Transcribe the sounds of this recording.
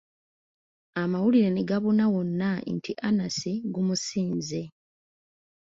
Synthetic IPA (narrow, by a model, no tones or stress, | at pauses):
amawuliɾe̞neɡaβunawonːantʰiʔanasiɡumusiːnze